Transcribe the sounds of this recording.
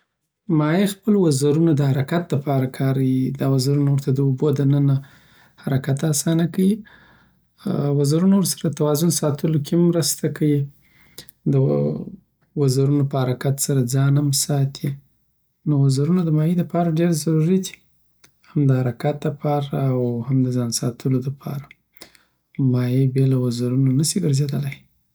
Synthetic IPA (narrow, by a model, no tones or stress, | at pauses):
mɑjixpəlwazaɾunad̪əhaɾakat̪̚ləpɑɾakʰɑɾawid̪ɑwazaɾunawəɾt̪ad̪əubod̪ənəna | haɾakat̪asɑnakawi | wazaɾunawɾsḁɾaət̪awɑzʊnsɑt̪əlokemːɾəst̪akʰawi | d̪ə | wazaɾunopəhaɾakat̪saɾad͡zɑnamsɑt̪ʰi | nowazaɾunod̪əmɑjed̪apɑɾaɖeɾzaɾuɾid̪i̥ | hamd̪əhaɾakat̪̚d̪əpʰɑɾaːwhamd̪əzɑnsɑ̰t̪ʰəlod̪apʰɑ̰ɾa | mɑjebjɑlawazaɾunonasiɡəɾzed̪əlaj